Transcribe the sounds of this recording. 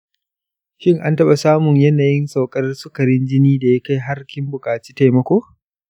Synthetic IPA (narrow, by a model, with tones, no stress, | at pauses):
ʃɪ˦ŋʔa˦ntɐ˦ɓa˨saː˦mʊ˨ɲjɐ˦naː˨jɪ˦nsa˨wkʼɐ˦rsʊ˦kɐ˨ɾɪ˦nd͡ʒɪ˦niː˦da˨ja˦ka˦jɦa˦rkʲɪ˦mbʊ˨kʼaː˨t͡ʃi̥ː˦ta˨jmɐ˦kʷoː˦